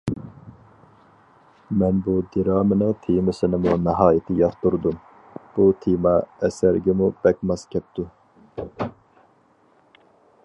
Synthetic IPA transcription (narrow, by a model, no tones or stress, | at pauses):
mɛnbud̪iɾɑːmɪnɨŋt̪ʰimɪsɪnɪmunɪɦɑːjɪt̪ʰɪjɑχt̪uɾd̪um | b̥ut̪ʰimɑɛsæɾɡʲɛmub̥ɛkʲmɑskʲʰɛp̚t̪u